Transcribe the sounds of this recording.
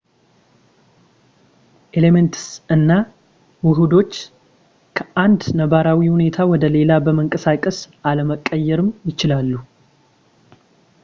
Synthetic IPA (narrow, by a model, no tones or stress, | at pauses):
ʔelement̪ʰɨ̥sɨnːa | wʊɦud̪o̞t͡ʃː | kʰəʔand̪nəβaɾawihune̞t̪ʰawɔd̪əle̞labəməŋkʼəsakʼːəsʔaləməkʼːəjːɛɾɨmjɪt͡ʃɪlalːu